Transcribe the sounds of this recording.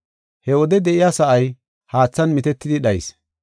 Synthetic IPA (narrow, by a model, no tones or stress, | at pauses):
hɛwɔd̪ɛd̪ɛʔɪjaːsɐʔɐj | haːt͡sːɐnmɪt̪ɛt̪ːɪd̪ɪɗɐjs